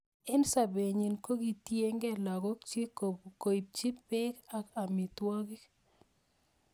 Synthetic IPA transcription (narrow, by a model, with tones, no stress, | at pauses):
ɪ˦nsa˨be˨ɲi˨nko˦ɡi˨tje˦ŋɡɛ˦la˨ɡɔ˦kt͡ʃi˦ko˨bko˨i˨p̚t͡ʃi˦pɪ˦ka˨ka˨mɪ˨twɔ˦ki˦k